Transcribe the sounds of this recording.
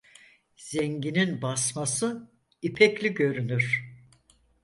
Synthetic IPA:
z̥ɛɲɟininbasmasɯ | ipʰɛclʲiɟø̞ɾynyɾ̥

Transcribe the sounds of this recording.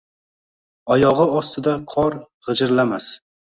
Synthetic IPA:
ɒjɒʁɨɒst̪ʰɪd̪aqʰɒɾ | ʁɨd͡ʒɪɾlamas

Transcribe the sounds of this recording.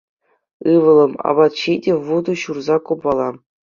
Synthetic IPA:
ɯʋɤ̆lˠɤ̆mɑ̰bɑt̪ɕidʲevud̪ɤɕurzɑkobɑlˠɑ

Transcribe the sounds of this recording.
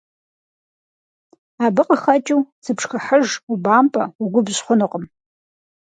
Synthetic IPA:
abɨqʼaχat͡ʃʼɪwsʰɨpʰʂxaħəʐubaːmpʼauɡʷʊbɕχʷʊnɨqʼəm

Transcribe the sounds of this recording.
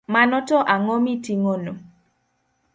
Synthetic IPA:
manɔtɔʔaŋɔmitiŋono

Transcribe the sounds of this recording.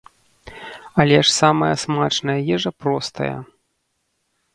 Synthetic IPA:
ɐlʲɛʂsamɐjɐsmat͡ʂnɐjɐjɛʐɐpɾɔst̪ɐ̰jɐ̰

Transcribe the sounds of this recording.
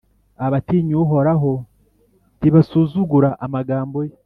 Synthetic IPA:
aβatiɲuɦo̞ɾaɦo | tiβasuːzuɡuɾaʔamaɡaːmbo̞je

